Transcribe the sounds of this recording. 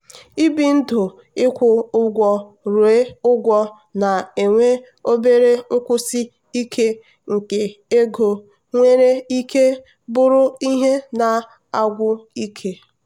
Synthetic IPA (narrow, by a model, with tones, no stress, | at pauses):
i˦bi˨n̩˦dʊ˨ | ɪ˦kʷʊ˦ʊ˦ɡʷɔ˦ | ɾe˦ʊ˦ɡʷɔ˦ | na˨e˨ŋʷe˦ | o˦be˦ɾe˦ʊ˦kʷʊ˦si˦ | i˦kʰe˦ | ŋ̩˨ke˨e˦ɡo˨ | ŋʷe˦ɾe˦i˦ke˦ | bʊ˦ɾʊ˦i˦ɦe˦na˨ | a˦˨ɡʷʊ˦i˦kʰe˦